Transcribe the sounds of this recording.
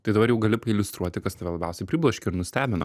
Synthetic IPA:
t̪ɐɪd̪ɐbɐɾjɛʊɡɐlʲɪpɐɪlʲʊst̪ɾuɔt̪ʲɪkɐst̪ɐʋʲɛlˠɐbʲɛʊsʲɛɪpʲɾʲiːblˠɐʃʲkʲɪɪɾnʊsʲt̪ʲæːbʲɪnɐ

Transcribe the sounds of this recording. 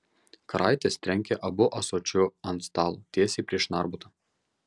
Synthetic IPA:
kɐɾɑˑɪt̪ʲest̪ʲɾʲɛŋʲkʲɛʔɐbʊʔɐsoːt͡ʃʲʊɐnt̪st̪ɑːlˠuːt̪ʲeɛsʲiːpʲɾʲiɛʃnɑˑɾbʊt̪ɐ

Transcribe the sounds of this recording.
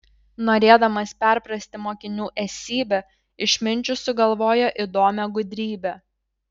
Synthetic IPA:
noːɾʲeːd̪ɐmɐspʲæɾpɾɐsʲt̪ʲɪmoːkʲɪnʲuːʔɛsʲiːbʲɛ | ɪʃʲmʲɪnʲt͡ʃʲʊsʊɡɐlˠʋoːjɛʔɪd̪oːmʲɛɡʊd̪ʲɾʲiːbʲɛ

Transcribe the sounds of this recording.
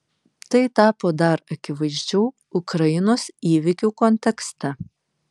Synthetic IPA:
t̪ɐɪt̪ɑːpoːd̪ɐɾɐkʲɪʋɐɪzʲd͡ʒʲɛʊ | ʊkɾɐjɪnoːsiːʋʲɪkʲuːkɔnʲt̪ʲɛkst̪ʲɛ

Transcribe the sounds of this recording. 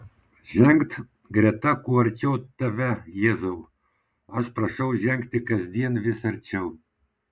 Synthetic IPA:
ʒʲɛŋkt̪ | ɡɾʲɛt̪ɑkuɐɾʲt͡ʃʲɛwt̪ɐʋʲɛjezɐw | ɐʃprɐʃɐwʒʲɛŋkt̪ʲɪkɐzʲd̪ʲiɛnʋʲɪsɐɾʲt͡ʃʲɛw

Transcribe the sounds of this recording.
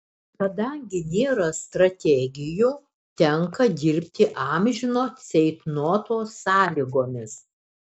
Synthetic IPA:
kɐd̪ɐŋʲɡʲɪnʲeːɾɐst̪ɾɐt̪ʲɛɡʲɪjuː | t̪ʲɛŋkɐd̪ʲɪɾʲpʲt̪ʲɪʔɑmʲʒʲɪnoːsʲɛɪt̪nuɔt̪oːsːɑːlʲiɡoːmʲɪs

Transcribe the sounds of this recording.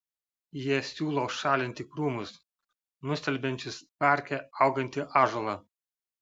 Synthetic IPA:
jiɛsʲuːlˠoʊʃɑːlʲɪnʲt̪ʲɪkɾuːmʊs | nʊsʲt̪ʲɛlʲbʲɛnʲt͡ʃʲɪspɑˑɾʲkʲɛɐʊɡɐnʲt̪ʲɪʔɑːʒoːlˠɑː

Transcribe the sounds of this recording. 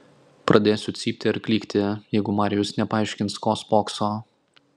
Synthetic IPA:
pɾʔɐd̪ʲeːsʲʊt̪sʲiːpʲt̪ʲɪɐɾkʲlʲiːkt̪ʲɪjɛɪɡʊmɑːɾʲɪjʊsnʲɛpɐɐˑɪʃʲkʲɪnskoːspoːksoː

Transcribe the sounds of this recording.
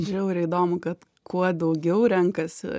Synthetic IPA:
d͡ʒʲɛʊɪɾɐiːd̪oːmʊkɐt̪ | kʰuɔd̪ɐʊɡʲɛʊɾʲɛŋkɐsʲɪ̰

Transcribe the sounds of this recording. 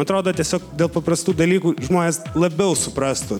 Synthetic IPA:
ɐt̪ɾoːd̪oːt̪ʲiɛsʲoːkd̪ʲeːlˠpɐprɐst̪uːd̪ɐlʲiːkuːʒmoːnʲeːslˠɐbʲɛʊsʊpɾɑst̪ʊ

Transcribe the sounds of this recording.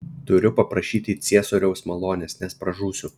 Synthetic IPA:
t̪ʊɾʲʊpɐpɾɐʃʲiːt̪ʲɪt̪sʲiɛsoɾʲɛʊsmɐlˠoːnʲɛsnʲɛspɾɐʒuːsʲʊ

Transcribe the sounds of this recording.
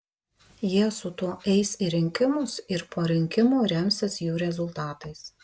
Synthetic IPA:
jiɛsʊt̪uɔʔɛɪsiɾʲɪŋʲkʲɪmʊsɪɾpoːɾʲɪŋʲkʲɪmuːɾʲɛmʲsʲɪsjuːɾʲɛzʊlˠt̪ɑːt̪ɐɪs

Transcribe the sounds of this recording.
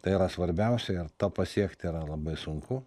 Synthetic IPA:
t̪ɐɪiɾɐsʋɐɾʲbʲɛʊsʲɛɪɾt̪oːpɐsʲiɛkt̪ʲɪiːɾɐlˠɐbɐɪsʊŋkʊ

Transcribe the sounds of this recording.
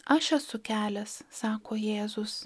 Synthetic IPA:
ɐʃɛsʊkʲæːlʲɛssɑːkoːjeːzʊs

